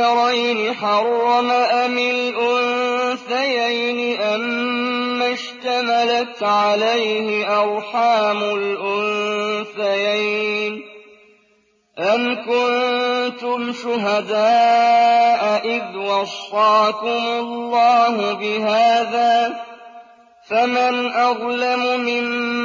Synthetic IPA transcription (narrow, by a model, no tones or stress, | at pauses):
ɾajnɪħɑrˤːɑmaʔamɪlʔʊnθajajnɪʔamː | aʃt̪amalat̪ʕalajhɪʔɑɾˤħaːmʊlʔʊnθajajn | ʔamkʊnt̪ʊmʃʊɦad̪aː | ʔaʔɪðwɑsˤːɑːʕkʊmʊlːɑːɦʊbɪɦaːðaː | famanʔɑɣlammɪm